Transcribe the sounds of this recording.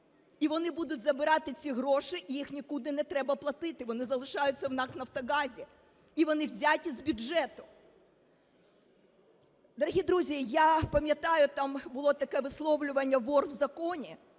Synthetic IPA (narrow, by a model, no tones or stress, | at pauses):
iʋɔnɪbud̪ʊtʲzɐbɪɾɑt̪ɪt͡sʲiɦɾɔʃɪʔijixnʲikud̪ɪnɛt̪ɾɛbɐplˠɐt̪ɪt̪ɪʋɔnɪzɐlˠɪʃɑjʊt͡sʲːɐwnɑknɐft̪ɔɣɑzʲi | iʋɔnɪwzʲatʲizbʲʊdɛt̪ʊ̥ | d̪ɔɾɐɦʲid̪ɾuzʲijapɐmʲjɐt̪ɑjʊt̪ɑmbʊlˠɔt̪ɐkɛʋɪslˠɔʋlʲʊʋɐnʲːɐʋɔrʋzɐkɔnʲi